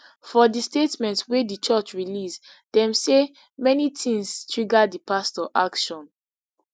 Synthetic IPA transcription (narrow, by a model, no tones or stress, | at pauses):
fɔdistetmɛ̃ntswedit͡ʃɔt͡ʃɹilis | dɛ̃mse | mɛnitʰĩŋstʰɹiɡadipastɔʔa̰kʃɔ̃n